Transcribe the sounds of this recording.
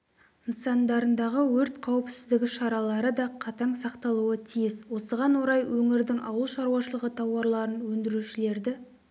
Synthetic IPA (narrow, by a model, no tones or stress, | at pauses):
ənsɑnd̪ɑɾənd̪ɑʁəwɵɾt̪qʰɑwəpsɪzd̪ɪɡʲɪʃɑɾɑlˠɑɾəd̪ɑqʰɑt̪ɑɴsɑqt̪ɑlˠuət̪ʰijɪzwo̞səʁɑnwo̞ɾɑjwɵŋɪɾd̪ɪŋʔɑ̰wəlˠʃɑɾuwɑʃəlˠəʁət̪ʰɑwɑɾlˠɑɾənwɵnd̪ɪɾuʃɪle̞ɾd̪ɪ